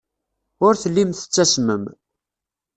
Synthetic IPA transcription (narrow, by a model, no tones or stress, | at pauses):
ʊɾθəlːimθə̥t͡sːæsməm